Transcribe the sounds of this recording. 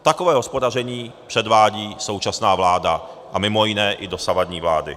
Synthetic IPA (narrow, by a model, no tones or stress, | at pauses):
t̪akovɛːɦɔspodarɛɲiːpr̥ɛd̪vaːɟiːsowt͡ʃasnaːvlaːda | ʔamɪmojɪnɛːʔɪdosavad̪ɲiːvlaːdɪ̰